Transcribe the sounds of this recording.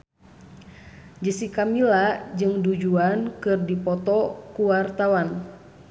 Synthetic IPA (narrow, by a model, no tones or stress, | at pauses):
d͡ʒəsikamilad͡ʒɨŋdud͡ʒuankɨrdipɔt̪ɔkuwart̪awan